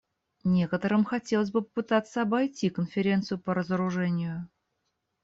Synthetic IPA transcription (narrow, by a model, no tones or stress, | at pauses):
nʲe̞kət̪əɾɨmxɐtʲe̞lˠəsʲbɨpəpɨt̪at̪sːəɐbɐjtʲikənfʲɪɾʲe̞nt̪sɨjʊpəɾəzəɾʊʐɛnʲɪjʊ